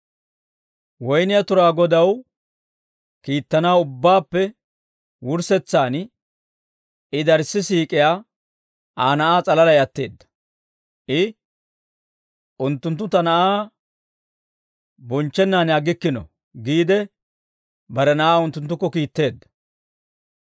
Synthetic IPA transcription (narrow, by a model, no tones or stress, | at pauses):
wɔjnɪjɐt̪ʊɾaːɡɔd̪ɐw | kiːt̪ːɐnaːʊbːaːpːɛ | wʊɾsɛt͡sːaːn | ɪd̪ɐɾsːɪsiːkʼɪjaː | aːnɐʔaːt͡sʼɐlɐlɐjɐt̪ːe̞ːd̪ːɐ̥ | ʔɪ | ʔʊnt̪ːʊnt̪ːʊt̪ɐnɐʔaː | bɔnt͡ʃːɛnːaːnjaɡɪkːɪnɔ̰ | ɡiːd̪ɛ | bɐɾɛnɐʔaːʊnt̪ːʊnt̪̬ːʊkːɔkiːt̪ːe̞ːd̪ːɐ̥